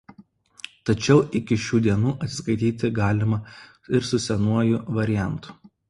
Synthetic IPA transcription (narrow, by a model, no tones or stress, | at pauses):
t̪ɐt͡ʃʲɛʊʔɪkʲɪʃʲuːd̪ʲiɛnuːʔɐt̪sʲɪ̥skɐɪt̪ʲiːt̪ʲɪɡɑːlʲɪmɐ | ɪɾsʊsʲɛnuɔjuʋɐɾʲɪjæˑnt̪u̥ːˑ